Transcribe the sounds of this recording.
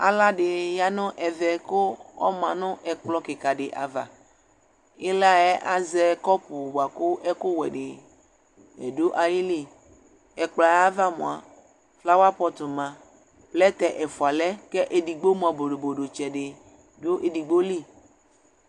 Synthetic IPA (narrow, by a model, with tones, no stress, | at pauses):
a̰˨la˦ɖɪ˨ja˦nʊ̃˦ʔɛ˨ðɛ˨kʊ˦ɔ̰˦mã˨nʊ̃˦ʔɛ˨k͡plɔ˦kɪ˨ka˨ɖɪ˨ʔa̰˨va̰˨ | e˦la˦ɛ˦ʔa˦zɛ˦˨kɔ˦pʊ˨ba˨kʊ˦ʔɛ˦kʊ˦wɛ̰˨ɖɪ˨ | ɛ̰˨do˦ʔa˨ji˦li˦ | ɛ˨k͡pla˨ja˦va˦mõ̰˨a˨ | fla˦wa˦pɔ˨t̪ʊ˨mã˨ | plɛ˦t̪ɛ˨ʔɛ˨fu˨a˨lɛ˦kɛ˦ʔe˨di˨ɡ͡bo˦m˦˨a˨bo˨ɖo˨bo˨ɖo˨t͡ʃɛ˨ɖɪ˨ | do˦ʔe˨di˨ɡ͡bo˦li˦˨